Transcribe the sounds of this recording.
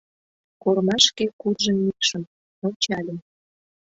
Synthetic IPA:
kormɑʃkekud̪ʒə̆nikʃəm | olt͡ɕɑlʲə̆m

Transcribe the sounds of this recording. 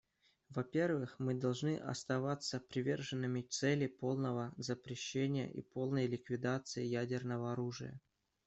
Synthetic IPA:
vɐpʲe̞rvɨxmɨd̪ɐlˠʐnɨʔɐ̰st̪ɐvat̪səpɾʲɪvʲe̞rʐɨnːɨmʲɪt̪sɛlʲɪpo̞lˠnəvəzəpɾʲɪɕːenʲɪjə̰ʔḭpo̞lˠnəjlʲɪkvʲɪd̪at̪sɨjɪjædʲɪrnəvəɐɾuʐɨ̰jə̰

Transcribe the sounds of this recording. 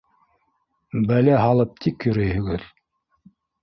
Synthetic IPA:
bælæɦɑlˠɤp̚t̪ʰikjɵ̆ɾæjhɵ̆ɡɘð

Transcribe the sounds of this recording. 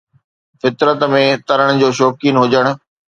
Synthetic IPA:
fɪt̪ɾət̪mẽt̪ɐɾəɽ̃̆d͡ʑoːʃoːkiːnɦʊd͡ʑəɽ̃ʊ̆

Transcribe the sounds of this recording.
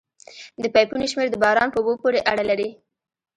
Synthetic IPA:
d̪əpajpuneʃmeɾd̪əbɑɾɑnpəubopoɾeʔaɽalaɾi

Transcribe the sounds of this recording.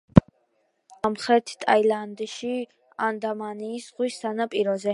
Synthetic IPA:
amχɾɛɾt̪ʰt̪ʼajland̪iʃi | and̪amaniːsʁwistanapʼiɾɔzɛ

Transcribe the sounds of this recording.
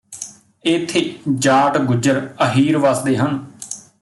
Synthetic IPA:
ɪt̪ʰːeːd͡ʒaːʈɡʊd͡ʒəɾəɦiːɾʋəsd̪eːɦən

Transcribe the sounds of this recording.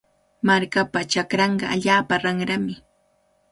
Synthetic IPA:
maɾkapat͡ʃakɾɑɴɢɑaʎaːpaɾɑŋɾamɪ

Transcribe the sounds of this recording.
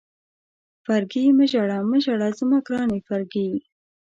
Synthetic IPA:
faɾɡiməʒaɽaməʒaɽazəmakɾɑnifaɾɡi

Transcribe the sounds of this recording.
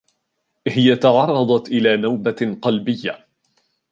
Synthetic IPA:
hɪjat̪ɑʕɑrˤːɑd̪ˤɑt̪ʔɪlaːnawbaqɑlbɪjːa

